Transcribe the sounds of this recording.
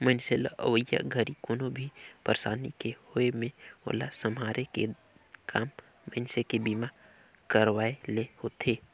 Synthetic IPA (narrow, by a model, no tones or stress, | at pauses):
mənselə̰ʔə̰ʋəja̰ɡʱəɾikoːnobʱipəɾsa̰ːnikehoemẽo̰ːla̰səmaːɾeke | kʰaːmː | əɪnsekebiːma | kəɾwaːelehoːt̪ʰeː